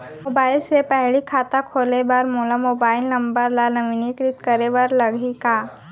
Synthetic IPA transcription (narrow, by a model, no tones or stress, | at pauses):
mobaːɪlsepɛɦɭikʰaːt̪akʰoːlebaɾmoːləmoːbaːɪlnɐ̃mbəɾlalɐʋɪnikɾɪt̪kəɾebəɾlɐɡʱikaː